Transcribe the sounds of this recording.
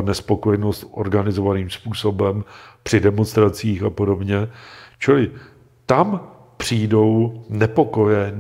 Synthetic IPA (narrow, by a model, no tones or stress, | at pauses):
nɛspo̞kojɛno̞st̪ʔo̞̰ɾɡanɪzo̞vaniːmspuːso̞bɛmpr̥ɪdɛmo̞nst̪ɾat͡siːxapo̞do̞bɲɛt͡ʃɪlɪ | t̪am | pr̝̥iːjdo̞wnɛpo̞ko̞jɛ